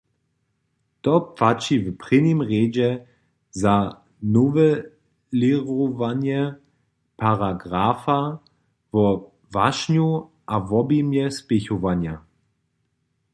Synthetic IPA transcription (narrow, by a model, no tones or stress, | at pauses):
tɔpfat͡ʃivpʁɪnimʁeːd͡ʑɛ | za | novɛ | liʁovanjɛ | pʰaʁaɡʁafa | vɔ | vaʃnju | ʔavɔbimjɛspɪçovanja